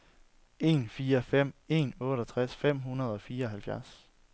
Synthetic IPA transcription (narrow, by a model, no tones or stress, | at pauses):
e̝̰ːnfiːɐfem̰e̝̰ːnɔ̽ːɾ̥ɐt͡sʰʁasfem̰ɦunɐð̞ˠɒ̽fiːɐɒ̽hælfjæɐs